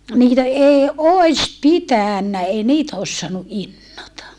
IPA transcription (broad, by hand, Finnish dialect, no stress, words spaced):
niːtæ eˑi oˑis pitæˑnːæ ei niːtæ os soɑnu ʔinːotɑ